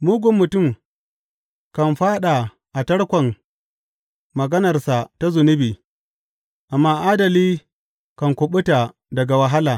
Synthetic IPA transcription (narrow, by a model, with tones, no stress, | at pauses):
muː˦ɡʷʊ˨mːʊ˨tʊ˦˨m | kɐ˨nɸaː˦ɗa˨ | ʔa˨tɐ˦ɽkʷɐ˨n | ɐ˨ɡɐ˦nɐ˨rsa˨ta˦zʊ˨nʊ˦biː˨ | ʔa˨mːaː˦ʔaː˦dɐ˨liː˦ | kɐ˨ŋkʷʊ˨ɓʊ˦ta˨ | dɐ˨ɡa˨wɐ˨ɦa˦laː˨